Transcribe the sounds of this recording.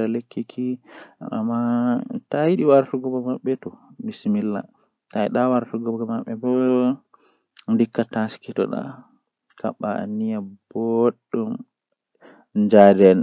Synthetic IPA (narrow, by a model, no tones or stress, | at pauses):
alekːikʰia̰mːatajiɗiwaɾtuɡɔbɔmaɓːɛtɔmismilːa̰ | tajɗawaɾtuɡɔbɡɔmaɓɛbɔ | ndikːataskitɔ̰ɗa̰ | ka̰ɓaa̰nːijabɔɗːɔm | ɲd͡ʒadɛn